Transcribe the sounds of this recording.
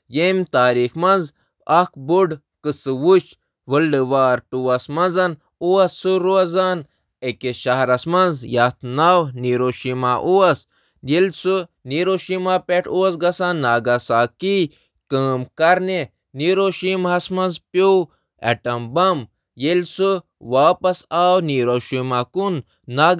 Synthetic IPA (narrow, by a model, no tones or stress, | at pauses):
jemt̪aːɾiːxmɐnz | ɐkbuɖ | kɨsɨʋut͡ʃ | ʋəlɖɨʋaːɾʈuwɐsmɐnzɐn | uɐsːuɾuɐzaːn | ekeʃaɦɾɐsmɐnzjat̪naːwniːɾoːʃimaʔuwɐs | jelʲsu | niːɾoːʃimaːpeʈʰuwɐsɡɐsaːnːaːɡɐsaːki | kəːmkɐɾne | niːɾoːʃimɦɐsmɐnzpjoː | ḛʈɐmbɐm | jelʲsɨ | ʋaːpɐsaːwniːɾoːʃimaːkunː | aː